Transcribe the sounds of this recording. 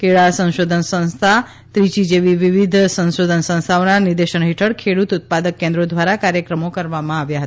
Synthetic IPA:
kʰeɭasə̃nʃod̪ʱənsə̃nst̪ʰa | t̪ɾit͡ʃid͡ʒeʋiʋiʋid̪ʱsə̃nʃod̪ʱənsə̃ñst̪ʰaonanɪɾd̪eʃəɳɦiʈʰəɽkʰeɽut̪ʊt̪̚pad̪əkːẽnd̪ɾod̪ʋaɾakaɾjəkɾəmokəɾʋamãaʋjaɦət̪a

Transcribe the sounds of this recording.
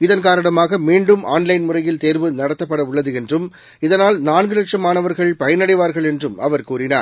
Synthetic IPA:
ɪðɐnkaːɾɐɳɐmaːɣɐmiːɳɖɯmʔaːnlɐɪnmʊrɐjɪlt̪eːɾʋɯnɐɽɐt̪ːɐpːɐɽɐʊɭːɐðɯɛndrɯm | ɪðɐnaːlnaːnɡɯlɐkʂɐmaːnɐʋɐɾɣɐɭpɐjɐnɐɽɐɪʋaːɾɣɐɭɛndrɯmʔɐʋɐɾkuːrɪna̰ːɾ

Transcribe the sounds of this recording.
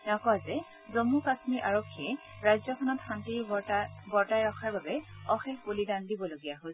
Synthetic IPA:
ɛɔkɔazɛ | zomukasmiɹʔaɹokʰːiɛ | ɹajzɔkʰɔnɔtxantiɹɡɔɹtajɹɔxʰaɹbabɛɔxɛxbulidandibɔloɡijaɦo

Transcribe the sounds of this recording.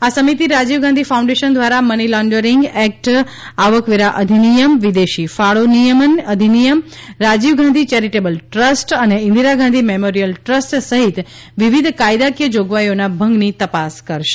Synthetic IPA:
asəmit̪iɾad͡ʒiʋɡãnd̪ʱifaũɳɖeʃənd̪ʋaɾamənilɔɳɖəɾiŋɡɛk̚ʈ | aʋəkʋiɾaʔəd̪ʱinijəmʋid̪eʃifaɭonijəmənəd̪ʱinijəmɾad͡ʒiʋɡãnd̪ʱit͡ʃɛɾiʈebəlʈɾəsʈəneɪ̃nd̪iɾaɡãnd̪ʱimemoɾijəlʈɾəsʈsəɦit̪ | ʋiʋid̪ʱkajd̪akjəd͡ʒoɡʋajonabʱə̃ŋɡnit̪əpaskəɾʃe̥

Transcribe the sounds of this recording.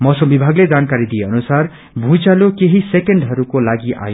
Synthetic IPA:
mʌsʌmbibʱaɡled͡zankaɾid̪ijeʌnusar | bʱũt͡salokeɦisekeɳɖɦʌɾukolaɡiʔa̰jo

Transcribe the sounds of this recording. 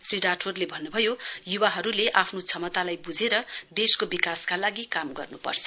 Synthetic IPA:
sriɾaʈʰorlebʱʌnːubʱʌjojuwaɦʌɾuleʔapʰnot͡sʰʌmʌt̪alajbud͡zʱeɾʌd̪eskobikaskalaɡikamɡʌ̰rnupʌ̰rt͡sʰʌ̥

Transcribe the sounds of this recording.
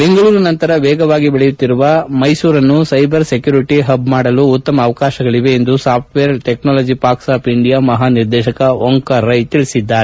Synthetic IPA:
be̞ŋɡɐɭuːɾɐnɐnt̪ɐɾɐʋɛːɡɐʋaːɡibeɭɛjut̪ːiɾuʋɐmɐjsuːɾɐnːusɐjbɐɾsekjuːɾiʈiɦɐbmaːɽɐluːt̪ːɐmɐːʋɐkaːʃɐɡɐɭiʋe̞ːnd̪usaːp̚ʰʈʋejɐɾʈeknaːlɐːd͡ʒipaːɾksaːpiɳɖijaːmɐɦaːniɾd̪ɛːʃɐkɐoŋkɐɾɐjt̪iɭisid̪ːaːɾe

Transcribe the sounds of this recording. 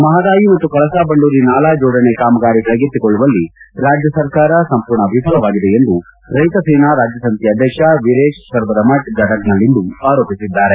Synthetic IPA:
mɐɦɐd̪aːjimɐt̪ːukɐɭɐsaːbɐɳɖuːɾinaːlaːd͡ʒɔːɽɐnekaːmɐɡaːɾikɐɭɐɡet̪ːikoɭːuʋɐlːiɾaːd͡ʒjɐsɐɾkaːɾɐsɐmpuɾɳɐʋipʰɐlɐʋaːɡid̪eend̪u | ɾɐjt̪ɐseːnaɾaːd͡ʒjɐsɐnt̪ʰjɐd̪ʱjɐkʂɐʋiɾeːʃsɐɾʋɐd̪ɐmɐʈ̚d͡ʒɐʈɐknɐlːind̪uaːɾoːpisid̪ːaːɾe

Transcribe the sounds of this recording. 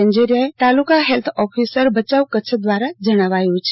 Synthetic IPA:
əɲd͡ʒeɾijaet̪alukaɦelt̪ʰɔfʰisəɾbʱət͡ʃaʋkət͡ʃʰd̪ʋaɾad͡ʒəɽ̃aʋajũt͡ʃʰe

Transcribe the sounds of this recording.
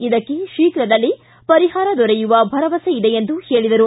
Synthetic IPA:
id̪ɐkːeʃiːkɾɐd̪ɐlːi | pɐɾiɦaːɾɐd̪ɔɾejuʋɐbʱɐɾɐʋɐseid̪eend̪uhe̞ːɭid̪ɐɾu

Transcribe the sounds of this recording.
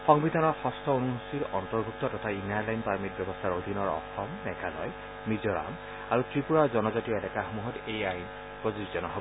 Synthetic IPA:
xɔŋbid̪ʱanɔɹxɔstʰɔonuɦusiɹɔntɔɹbʱuk̚tɔtɔtʰainaɹlajnpaɹmit̚bjɔbɔstʰaɹodʱinɔɹɔ̰xɔmnɛkʰalɔ̰j | mizɔɹa̰m | aɹutɹipuɹaɹzɔnɔzatijɔɛlɛkaxomuɦɔtejajn | pɹozizzɔnɔɦo

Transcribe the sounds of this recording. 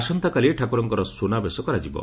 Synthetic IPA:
sɔnt̪akalieʈʰakuɾɔŋkɔɾɔsonabesɔkɔɾad͡ʒibɔ̰

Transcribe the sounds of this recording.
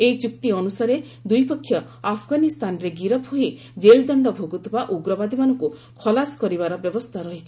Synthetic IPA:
ejt͡ʃuk̚t̪iɔnusaɾe | d̪ujpɔkʰːjɔ | apʰɡanist̪anɔɾeɡiɾɔbʱoɦi | d͡ʒeld̪ɔɳɖɔbʱoɡut̪ʰibaʔuɡɾɔbad̪imanɔŋku | kʰɔlasɔ̥kɔɾibaɾɔbjɔbɔst̪ʰaɾɔɦit͡ʃʰi̥

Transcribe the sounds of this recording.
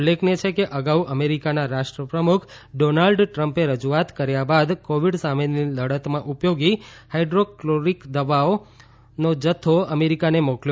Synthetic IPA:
lːekʰnet͡ʃʰekeʔəɡauʔəmeɾikanaɾaʃʈɾəpɾəmukʰ | ɖonalɖʈɾəmpeɾəd͡ʒuat̪kəɾjabad̪koʋiɖsameniləɽət̪mãʔupjoɡihaiɖɾokloɾikd̪əʋao | nod͡ʒət̪ʰːoəmeɾikanemɔkl

